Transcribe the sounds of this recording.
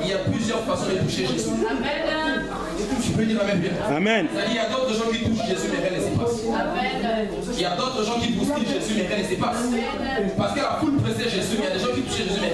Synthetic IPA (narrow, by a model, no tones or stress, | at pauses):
iljaplyzjœʁfwasɔ̃et̪uʃeʒesyɛ | t̪yped̪iʁavɛ̃ʁɛ | amɛnailjad̪ot̪χəʒɑ̃kit̪uʃiʒesymeʁɛ̃lesepasɛ | iljad̪ot̪χəʒɑ̃kʲipust̪iʒesymeʁɛ̃lesepas | paʁsəkəakulpχesɛʒesyiljad̪eʒɑ̃kʲit̪u̥ʃeʒesyme